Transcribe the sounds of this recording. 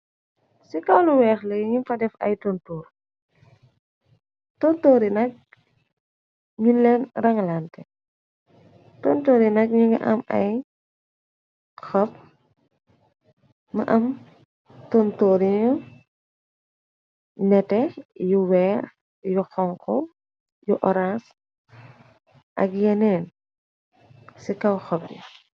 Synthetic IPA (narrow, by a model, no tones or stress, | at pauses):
sikɐwluwɛːxlɛɲunfɐdɛfɐ̰jtɔntuːɾ | tɔntoːɾinɐk̚ | ɲunlɛnrɐŋlantɛ | tɔntoːɾinɐk̚ɲuŋɡɐ̰ʔɐmɐ̰j | xɔp̚ | mɐʔɐm | tɔntoɾiɲu | nɛtɛjuwɛːr | juxɔŋkɔ | juʔɔɾans | ʔɐ̰kjɛnɛn | sikɐwxɔp̚jṵ